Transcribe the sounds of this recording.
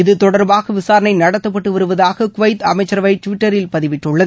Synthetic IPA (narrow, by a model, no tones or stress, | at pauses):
ɪðɯt̪ɔɽɐɾbaːɣɐʋɪsaːɾɐnɐɪnɐɽɐt̪ːɐpːɐʈːɯʋɐɾɯʋɐðaːɣɐkʊʋɐɪt̪ɐ̰mɐɪt͡ʃːɐɾɐʋɐɪʈʋɪʈːɐɾɪlpɐðɪʋɪʈːɯɭːɐðɯ